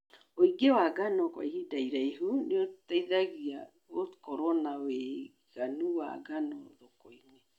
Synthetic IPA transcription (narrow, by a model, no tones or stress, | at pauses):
oiɡewaɡanɔkwa̰ihidaiɾaiɦuneotaiðaɣia | okɔɾɔnawe | ɣ̥anuwa̰ɣanɔðokoiŋe